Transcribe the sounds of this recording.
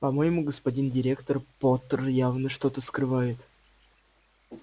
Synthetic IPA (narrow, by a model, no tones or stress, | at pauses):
pɐmojɪmuɡəspɐdʲindʲɪɾʲe̞kt̪ərpot̪ərjavnəʂt̪o̞t̪əskrɨvajɪt̪